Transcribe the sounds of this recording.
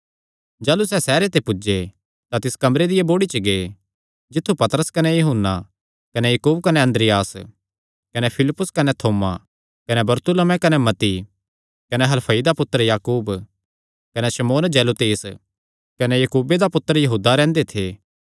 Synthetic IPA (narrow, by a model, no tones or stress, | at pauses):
d͡ʒaːlusɛːsɛːɾet̪epʊd͡ʒe | t̪at̪ɪskɐmɾed̪ɪjeboːɽit͡ʃəɡe | d͡ʒɪt̪ʰːupɐt̪əɾəskɐnejɐɦʊnːa̰ | kɐnejɐkuːbkɐneɐ̃nd̪ɾɪjaːs | kɐnepʰɪlɪpːʊskɐnet̪ʰoːma | kɐnebɐɾt̪ʊləmɛ̃kɐnemɐt̪i | kɐneɦɐlpʰɐid̪apʊt̪ːəɾjaːkuːb | kɐneʃɐmoːnd͡ʒɛːlut̪eːs | kɐnejɐkuːbed̪apʊt̪ːəɾjɐɦuːd̪aɾɛ̃ːnd̪et̪ʰeː